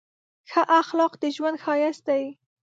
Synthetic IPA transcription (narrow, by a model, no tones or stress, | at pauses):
xəʔaxlɑqd̪əʒwand̪xɑjast̪aj